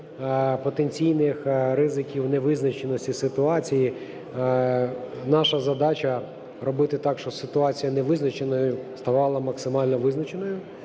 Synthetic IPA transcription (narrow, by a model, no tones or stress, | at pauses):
pɔt̪enʲt͡sʲijnɪxɾɪzɪkʲiwnɛʋɪznɐt͡ʃenɔsʲtʲisɪt̪ʊɑt͡sʲiji | nɑʃɐzɐd̪ɑt͡ʃɐ | rɔbɪt̪ɪt̪ɑkʃt͡ʃɔsɪt̪ʊɑt͡sʲijɐnɛʋɪznɐt͡ʃenɔjʊst̪ɐʋɑlˠɐmɐksɪmɑlʲnɔʋɪznɐt͡ʃenɔjʊ